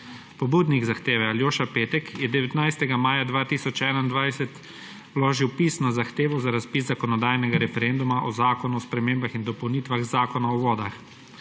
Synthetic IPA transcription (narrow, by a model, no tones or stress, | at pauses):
pɔbuːd̪niɡzaxt̪eːʋɛaljoːʃapeːt̪ɛkjɛd̪ɛʋɛt̪najst̪ɛɡamaːjad̪ʋaːt̪iːsɔt͡ʃɛːnaind̪ʋajsɛt̪ | wloːʒiwpiːsnɔzaxt̪eːʋɔzaɾaspiszakɔnɔd̪aːjnɛɡaɾɛfɛɾɛnd̪umaʔɔzaːkɔnuɔspɾɛmeːmbaxind̪ɔpɔwniːt̪ʋaɣzaːkɔnaɔʋɔːd̪ax